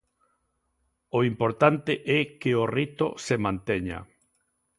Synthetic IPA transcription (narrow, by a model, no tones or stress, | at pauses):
oimpoɾt̪ant̪ɪʔɛkeorit̪o̰semãnt̪ɛɲa̰